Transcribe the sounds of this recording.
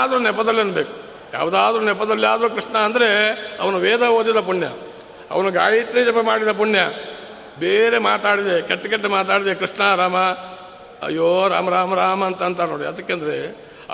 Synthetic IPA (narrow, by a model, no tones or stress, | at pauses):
d̪ɐɾuːnɛpːɐd̪ɐlːiɐnːɐbeːku̥ | ja̰ːʋd̪aːd̪ɾuːnɛpːɐd̪ɐlːiaːd̪ɐɾuːkɾiʂɳɐːnd̪ɐɾe̞ɐ̰ʋɐnuʋeːd̪ɐɦoːd̪id̪ɐpuɳjɐ̰ | ɐ̰ʋɐnuɡa̰ːjit̪ːed͡ʒɐpːemaːɽid̪ɐp̬uɳjɐ | beːɾema̰ːt̪aːɽid̪ekɐʈːekɐʈːemaːt̪̬aːɽid̪ekɾiʂɳɐɾaːmɐ | ɐ̰jːoːɾa̰ːmɐɾaːmɐɾaːmɐːnt̪ɐnt̪ɐno̰ːɽḭɐd̪ɐkːeɐnd̪ɐɾḛ